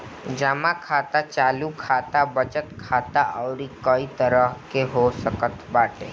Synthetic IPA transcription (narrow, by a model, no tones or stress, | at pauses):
d͡ʒamakʰat̪at͡ʃaːlukʰat̪abət͡ʃət̪kʰat̪aʔəʊɾikəit̪əɾəɦkeɦosəkət̪baʈḛ